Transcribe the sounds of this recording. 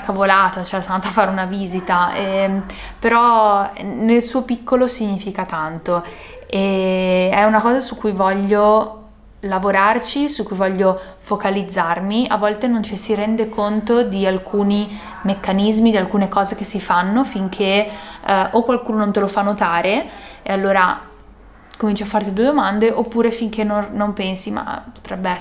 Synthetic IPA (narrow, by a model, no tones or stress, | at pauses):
akːavolaːt̪at͡ʃoɛsanaːt̪afaːɾeunaviːzit̪aɛ | peɾɔ | nelsuːopikːolosiɲːiːfikat̪ant̪o | e | ɛunakɔːzasukːujvɔʎːo | lavoɾart͡ʃisukːujvɔʎːo | fokalid̪zːarmia̰vːɔlt̪enont͡ʃisiɾɛnd̪ekʰont̪od̪ialkʰuːni | mekːanizmid̪ialkuːnekɔːzek̟esːifanːofiŋkʰe | ʔokːwalkuːnonont̪elofanːot̪aːɾeḛalːoːɾa | komint͡ʃiafːart̪id̪ued̪omand̪eʔopːuːɾefiŋk̟enːoːompɛnsima̰po̥t̪ɾɛbːeɛ